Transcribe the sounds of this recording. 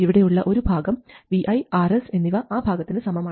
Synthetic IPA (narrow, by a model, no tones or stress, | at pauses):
iʋiɽe̞juɭːɐʔo̞ɾubʱaːɡɐmʋiʔɐjaːɾese̞nːiʋɐaːbʱaːɡɐt̪ːinɨsɐmɐmaː